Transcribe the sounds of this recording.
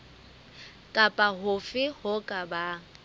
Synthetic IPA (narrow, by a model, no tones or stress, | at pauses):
kʼapʼaɦʊfɪhʊkʼaba